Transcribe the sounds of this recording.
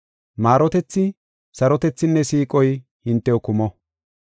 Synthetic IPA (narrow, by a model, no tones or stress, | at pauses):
maːɾɔt̪ɛt͡sːɪ | sɐɾɔt̪ɛt͡sːɪnːɛsiːkʼɔj | hɪnt̪ːɛɔkʊmɔ